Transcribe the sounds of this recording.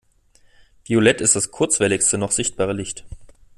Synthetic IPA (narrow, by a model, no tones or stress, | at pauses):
v̥iolɛtɪstd̥askʰʊɐt͡sv̥ɛlɪçstənɔχz̥ɪçt̚b̥aːʁəlɪçt